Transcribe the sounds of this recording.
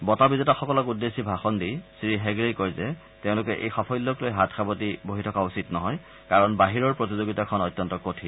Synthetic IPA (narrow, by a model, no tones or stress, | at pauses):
bɔtabizetaxɔkɔlɔkudːesibʱaxɔndisɹiɦɛɡɹekɔɹzɛ | teʊ̃lʊkɛʔḛjxɔpʰɔjloklojɦatʰxʰabotiboɦitʰɔkausitnɔɦɔj | kaɹɔnbaɦiɹɔɹpɹotizoɡitakʰɔnɔjtːjɔntɔkotʰi